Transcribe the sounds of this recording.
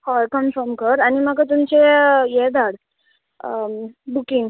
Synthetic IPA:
hɔkəmfɔmkəɾaɽ̃imaɡət̪̬umt͡ɕejed̪aɽ | bukiŋɡ

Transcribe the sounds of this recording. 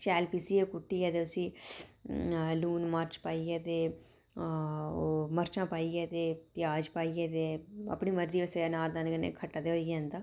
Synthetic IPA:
t͡ʃɛːlpiːsiːekʊʈːiːɛːt̪eːʊsĩː | luːnmaɾt͡ʃpaːiːɛːt̪eː | oːməɾt͡ʃãːpaːiːɛːt̪eːpɪjaːd͡ʒpaːiːɛːt̪eːə̰pɳiːməɾziːʋəseːanaːɾd̪aːnːkəɪnːḛːkʰəʈːaːd̪eːɦoiɡãːnd̪aː

